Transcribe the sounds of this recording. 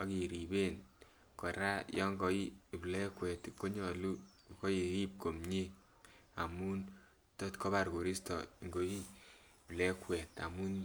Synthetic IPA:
ɔ˨˦ki˨ɾi˨be˦n | kɔ˨ɾa˦jɔ˦ŋɡɔ˨i˦˨blɛ˦kwɛ˨tko˦ɲɔ˨lu˦˨ | ko˦e˨ɾi˦p̚ko˨mɲi˦ | a˨mu˦n | to˦tko˦ba˨ɾko˨ɾi˦stɔ̰˨ŋɡo˨i˦ | blɛ˦kwɛ˨ta̰˨mu˦n

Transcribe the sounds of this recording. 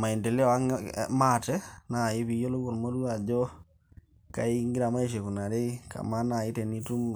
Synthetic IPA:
ma˨i˨ndɛ˨lɛ˦ɔ˨a˦ŋ̰ma˦tɛ˦na˨ɪ˦βi˨jɔ˦lo˦kɔ˨lmo˦ɾu˦a˨d͡ʒɔ˦ | ka˨˦ɪ˦ŋɡɪ˦ɾa˨ma˦i˨ʃ̬e˨ku˨na˨ɾe˦ka̰˨ma˦na˨ɪ˦tɛ˨ni˦tu˦m

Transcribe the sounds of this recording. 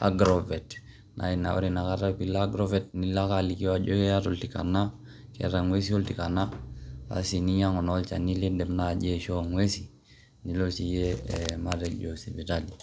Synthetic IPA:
a̰˦ɡɾo˨ve˨t | nʔa̰˨i˨na̰˨o̰˦ɾi˨na˨ka˦ɾa˦pi˦la˦ɡɾo˦ve˦t̚ni˦la˦kali˨ki˦wa˨d͡ʒo˦e˦ja˦to˨lti˨ka̰˨na˦ | kḛ˨ɾa˨ŋwe˦s̬i˦o˦lti˨ka˨na˦a̰˦si˨ni˦ɲa˦ŋo˨no˦lt͡ʃa˨ni˦li˦dɛ˨mna˦˨d͡ʒe˦ʃo˦ŋwe˦si˨ | ni˨lo˦si˨je˦ma˦ɾed͡ʒo˨si˨bi˨tali˨

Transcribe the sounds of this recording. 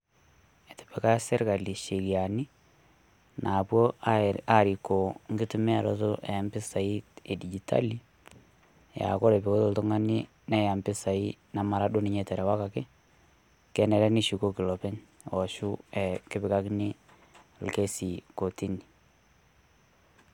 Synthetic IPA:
e˨te̥˨pe˨ka˦se˦ɾka˨li˨ʃe˨ki˨a˨ni˦ | na˨pwo˦a˨ɾi˨ko˨ŋɡɪ˦tu˦mɛ˦a˨ɾo̰˦to˦ʔe˨a˦mbɪ˦sa˨i˦te˨di˨d͡ʒi˨tʰa̰˦li˦ | ja̰˨ko˦ɾe˨pi˨ko˦to˦˨ltʊ˦ŋa˦ni˦ | nɛ˦ja˨mbɪ˦sa˨i˦na˨ma˨ɾa˦do˦ni˦ɲe˨tɛ˨ɾɛ˨wa˦ka˨kɪ˦ | kɛ˦nɛ˨ɾɛ˦ni˦ʃu˨ko˦ki˨lɔ˨pe˦n | ɔ˨ʃu˦ɛ˨ke˦bɪ˨ka˦kni˦ | lke˦si˨ko˨ti˦ni˨

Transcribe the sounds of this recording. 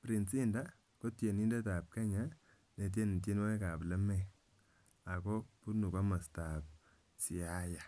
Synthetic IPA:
pɾi˨nsi˦nda˦ | ko˦tje˨ni˦nde˦ta˨p̚ka˦ɲa˦ | ne˨t̬je˦ni˨t̬je˦n˦we˦ka˨plɛ˦mɛ˦ | a˨ko˦pu˦nu˨ka˦ma˨sta˨p̚ | si˨a˦ja˨

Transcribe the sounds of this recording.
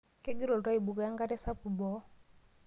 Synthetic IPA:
kɛ˦ɡi˦ɾɔ˨lta˦i˨bu˨ka˨ja˦ŋɡa˦tɛ˦sa˦pu˨bɔ˨˦

